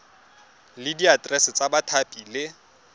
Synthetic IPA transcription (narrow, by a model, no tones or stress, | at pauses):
lɪdiatʼrɛsɪt͡sʼabatʰapʼilɪ